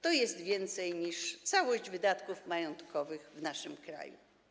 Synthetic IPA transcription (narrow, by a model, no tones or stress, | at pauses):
t̪ɔjɛst̪vʲjɛnt̪sɛjɲiʂt̪sawɔʑd͡ʑvɘd̪at̪kufmajɔnt̪kʰɔvɘxvnaʂɘmkɾa̰jṵ